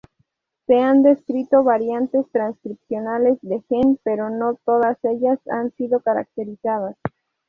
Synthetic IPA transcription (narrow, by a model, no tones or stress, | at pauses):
se̞and̪e̞skɾit̪o̞βaɾjant̪e̞st̪ɾanskɾipsjo̞nale̞zðe̞xenpe̞ɾo̞no̞t̪o̞ðase̞ʝasa̰nsiðo̞kaɾa̰k̚t̪e̞ɾisað̞as